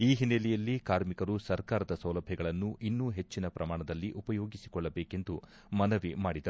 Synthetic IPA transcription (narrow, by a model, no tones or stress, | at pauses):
iːɦinːelijɐlːikaːɾmikɐɾusɐɾkaːɾɐd̪ɐsɐwlɐbʱjɐɡɐɭɐnːuʔinːuːɦe̞t͡ʃːinɐpɾɐmaːɳɐd̪ɐlːiʔupɐjoːɡisi̥kɔɭːɐbeːke̞nd̪u | mɐnɐʋimaːɽid̪ɐɾu